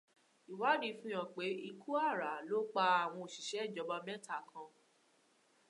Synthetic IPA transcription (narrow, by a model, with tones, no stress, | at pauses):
i˨wa˨˦ɾi˦fũ˦ã˨k͡pe˨˦i˧kʰu˦a˦˨ɾa˨˦lo˦k͡pa˧a˨w̃ɔ̃˧o˨ʃi˨ʃɛ˨˦˨d͡ʒɔ˨˧˦ba˧mɛ̃˦tʰa˦˨kʰã˧